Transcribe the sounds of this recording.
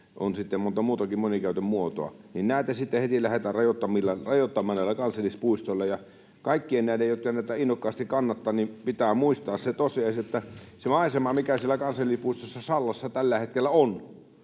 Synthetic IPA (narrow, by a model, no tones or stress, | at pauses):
o̰nsit̪ːemmont̪ɑmuːt̪ɑkimmonikæˑøt̪ømmuot̪o̰ɑ̰ninnæˑit̪æsit̪ːehet̪ilæhet̪ærrɑjot̪ːɑmilːɑrɑjot̪ːɑmːˑɑːnnæˑilːˑækɑnsɑlːˑispuist̪ŏlːɑjɑ | kɑˑikːiennæˑilejjot̪kɑnæˑit̪æinːokːɑːst̪ikkɑnːɑt̪ːɑːnnimpit̪æːmuist̪ɑːsset̪osiɑˑisiot̪ːæsemɑˑesemɑmikæsielækɑnsɑlːˑispuist̪osːɑsɑlːɑsːɑt̪ælːæhet̪kelːæon